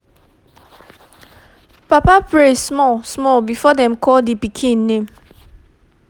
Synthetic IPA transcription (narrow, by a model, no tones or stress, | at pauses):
papapɹesmɔlsmɔlbifɔdɛ̃mkɔldepikʰĩnːẽm